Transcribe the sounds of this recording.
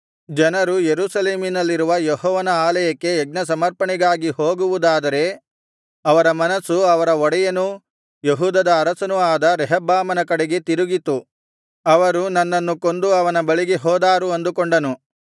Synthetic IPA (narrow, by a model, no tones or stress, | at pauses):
d͡ʒɐnɐɾujeɾuːsɐleːminɐlːiɾuʋɐjɔɦɔːʋɐnɐaːlɐjɐkːe̞ːɡ̚nɐsɐmɐɾpɐɳiɡaːɡiɦoːɡuʋud̪aːd̪ɐɾe̞ | ɐʋɐɾɐmɐnɐsuɐʋɐɾɐɔɽɐjɐnu | jeɦuːd̪ɐd̪ɐːɾɐsɐnuaːd̪ɐɾɛɦɐbaːmɐnɐkɐɽeɡe̞t̪iɾuɡit̪u | ɐʋɐɾunɐnːɐnːuko̞nd̪uɐʋɐnɐbɐɭiɡeɦɔːd̪aːɾuɐnd̪ukoɳɖɐnu